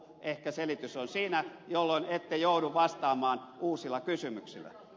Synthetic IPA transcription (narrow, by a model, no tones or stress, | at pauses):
ʔehkæselit̪ysonsiːnæjolːoinet̪ːejoˑuduʋʋɑst̪ɑːmɑːnuːsilːɑkysymyksilːˑæ̰